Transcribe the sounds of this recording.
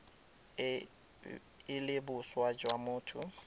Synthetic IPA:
ɪlɪbʊswad͡ʒwamʊːtʰʊ

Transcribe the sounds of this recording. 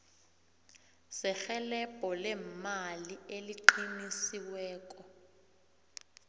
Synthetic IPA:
sɛxɛlɛb̥ʱɔlɛmalieliǃinisiwɛːkʼɔ

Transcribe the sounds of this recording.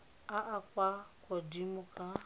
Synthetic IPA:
aʔakʷakɔdimʊka

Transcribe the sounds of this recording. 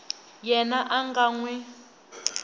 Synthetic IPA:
jɛnaʔaŋɡaŋwɛ

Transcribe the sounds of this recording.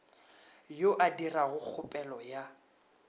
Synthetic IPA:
joʔadiraɣʊk͡xʰʊpʼɛlɔja

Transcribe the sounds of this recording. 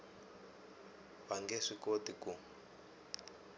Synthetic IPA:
βaŋɡɛʂikotiku

